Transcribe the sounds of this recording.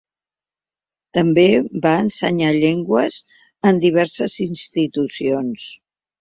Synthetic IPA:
t̪əmbebaənsəɲaʎɛŋɡwəz | ənd̪iβ̞ɛɾsəzinst̪it̪usions

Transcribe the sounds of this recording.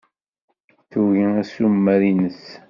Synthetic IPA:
θuʝiæsumːæɾinəs

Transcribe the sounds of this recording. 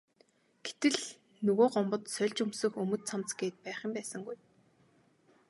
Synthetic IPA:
ɡ̥et̪ɘ̆ɮ | nɵɣoːɢɔmpɞ̆t̪sœɮʲt͡ɕɵmsɵ̆xɵmɵ̆t̪t͡sʰamt͡sɡeːt̪̚pæːχə̆mpæːsə̆ŋɡuj

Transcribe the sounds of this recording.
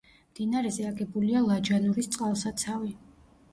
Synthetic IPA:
md̪inaɾɛzɛaɡɛbulialˠad͡ʒanuɾist̪sʼqʼalˠsat̪sʰavi

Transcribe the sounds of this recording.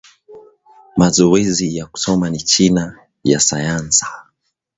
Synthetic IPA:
mazɔɛzijaku̥sɔmanit͡ʃina | jasajansi̥

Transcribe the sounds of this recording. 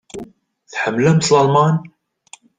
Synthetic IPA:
θħəmːlæmslɑlmɑn

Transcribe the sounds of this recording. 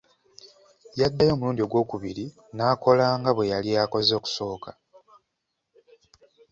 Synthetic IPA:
jad̪ːajo̞ːmuluːndio̞ɡwo̞ːkuβiɾi | naːko̞laːŋɡaβwe̞jaliako̞zo̞ːku̥so̞ːkʰa

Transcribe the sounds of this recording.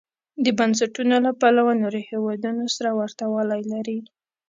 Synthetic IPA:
d̪əbans̬aʈunolapalawanoɾohewɑd̪unosaɾawaɾt̪awɑlajlaɾi

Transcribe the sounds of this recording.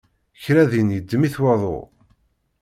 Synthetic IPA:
çɾæðinjəd̪ːəmiθwɑðˤo̰

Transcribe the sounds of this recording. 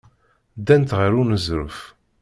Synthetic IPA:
d̪ænt̪ʁəɾunəzɾəf

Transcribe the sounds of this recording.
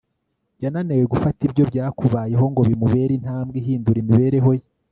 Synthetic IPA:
ɟananeweɡufatibɟo̞bjaːkuβaːje̞ɦo̞ŋɡo̞βimuβe̞ɾin̥haːmbɡiɦiːnduɾimiβe̞ɾe̞ɦo̞ji

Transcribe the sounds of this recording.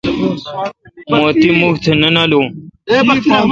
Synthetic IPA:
moːt̪iːmʊkt̪ʰnənaːloː

